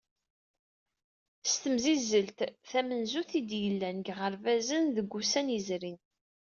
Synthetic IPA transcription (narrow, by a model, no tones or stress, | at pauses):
st̪əmzizəlt̪θæmənzuθid̪jəlːænɡʁəɾvæzənðəɡʷːusænəzɾin